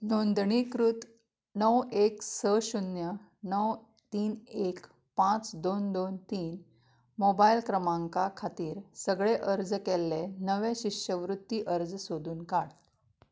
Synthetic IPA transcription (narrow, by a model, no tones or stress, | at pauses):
nond̪ɳikɾut̪ | nəweksəɕunjə | nəw | t̪iːnek | pãt͡sd̪ond̪ont̪iːn | mobailkɾəmãŋkakʰat̪iːɾsəɡɭeʔəɾd͡zkelːenəʋẽɕiɕəʋɾut̪ːiʔəɾd͡zsod̪uːnkaɽ